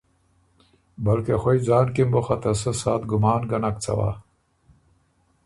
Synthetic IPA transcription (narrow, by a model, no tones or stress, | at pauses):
bɐlkexoid͡zaːnkimboxɐt̪ɐs̬ɐsaːt̪ɡʊmaːnɡɐnɐk̚t͡sʰɐ̰wa̰ː